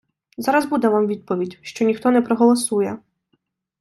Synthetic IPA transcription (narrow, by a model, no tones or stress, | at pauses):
zaɾɐzbud̪ɛʋamʋʲid̪̚pɔʋʲidʲʃt͡ʃɔnʲixt̪ɔnɛpɾɔɦɔlˠɔsujɛ